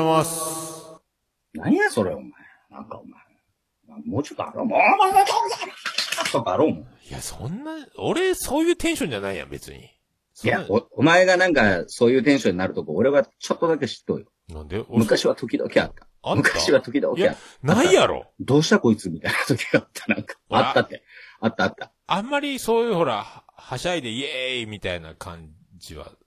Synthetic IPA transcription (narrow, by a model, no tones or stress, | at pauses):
as | naɲijaso̞ɾe̞o̰mae | nã̰ŋkaomae | mamoːt͡ɕot̪ːoa̰ɾoːmõamamaozaat̪okaaɾoːmõja̰sõ̰nːaoɾesoːjɯːt̪ẽɕõɲd͡ʑanaijã̰be̞̰t͡sɨ̰ɲ̟ḭ | jaoomaeɡanãŋkaso̞ːjɯ̟ːt̪̬ẽɕõ̞ɲ̟ːinaɾɯ̟t̪o̞kʲioɾe̞βat͡ɕo̞t̪ːod̪akeɕi̥t̪ːo̞̰ːjo | nã̰nd̪emɯ̟kaɕiβat̪o̞kʲid̪o̞̰kʲea̰t̪ːḁ | mɯ̟kaɕiβat̪o̞kʲid̪o̰kjaea̰t̪ːnaijaɾo̰d̪o̞ːɕi̥t̪ako̞it͡sɨmʲit̪ainat̪o̞kʲi̥ɡaːt̪ʰːḁnãŋkḁat̪ːat̪ːeat̪ːaːt̪ːa | amːaɾʲiso̞ːjɯ̟ːho̞ɾahhaɕaid̪e̞iemʲit̪aina̰kʰãɲ | d͡ʑiβa̰